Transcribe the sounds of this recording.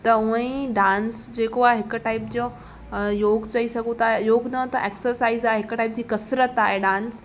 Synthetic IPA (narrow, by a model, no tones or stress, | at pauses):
t̪ɐʊẽɖãːnsd͡ʑeːkoaːɦeɦɪkʊ̆ʈaɪp̚d͡ʑo | joːɡt͡ɕɐisɐɡʱũt̪ʰaːɦejoːɡnɐt̪ɐʔeːksəɾsaːizaːɦeɦɪkʈaɪp̚d͡ʑiːkɐsɾət̪aːɦeɖãːns